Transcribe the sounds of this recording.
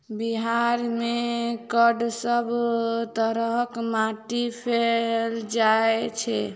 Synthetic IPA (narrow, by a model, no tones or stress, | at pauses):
biɦaɾmekəɖsəbt̪əɾəɦkmaʈipʰeld͡ʒaet͡ʃʰɛ